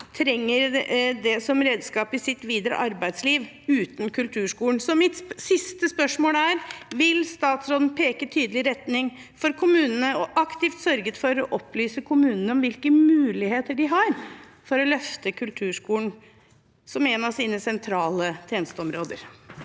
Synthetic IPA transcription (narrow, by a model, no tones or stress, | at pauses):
t̪ʰɾɛŋːəɾd̪ɛsɔmɾeːd̪skɑːpɪsɪt̪ʋiːd̪əɾə̰ʔɑɾbæɪd̪sliːʋ | ʉːt̪n̩kʰʉlt̪ʰʉːʂkuːəɳsɔmɪt̪sɪst̪əspœʂmoːləæːɾʋɪlst̪ɑːt̪sɾoːd̪n̩pʰeːkət̪ʰyːd̪əlɪɾɛt̪nɪŋ | fɔɾkʰʊmʉːnənəɔʔɑkt̪ɪft̪sœɾɡət̪fɔɾɔʔɔplyːsəkʰʊmʉːnənəɔmʋɪlkəmʉːlɪheːt̪əɖɪɦɑɾ | fɔɾɔlœft̪əkʰʉlt̪ʰʉːʂkuːəɳ | sɔmɛnɑʋsiːnəsɛnt̪ʰɾɑːlət̪ʰjeːnəst̪əɔmɾoːd̪ə̰ɾ